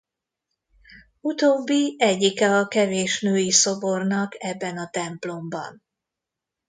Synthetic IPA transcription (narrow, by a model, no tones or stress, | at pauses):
ut̪oːbːiɛɟːikɛɒkɛveːʃnøːjiso̞bo̞rnɒkɛbːɛnɒt̪ɛmplo̞mbɒ̰n